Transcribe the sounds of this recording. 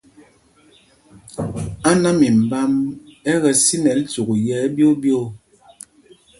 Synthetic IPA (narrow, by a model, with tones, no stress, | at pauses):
a˦na˦mi˨m̩˨ba˦mɛ˦ɣɛ˨si˦nɛ˨˦n̩˦tu˨ku˨jɛː˨˦bjo˦bjo˦˨